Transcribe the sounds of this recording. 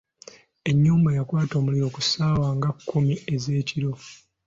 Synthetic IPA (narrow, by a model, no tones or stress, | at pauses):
e̞ɲːuːmbajakwaːto̞ːmuliɾo̞ːkusaːwaŋɡakːumie̞ze̞ːciɾo̞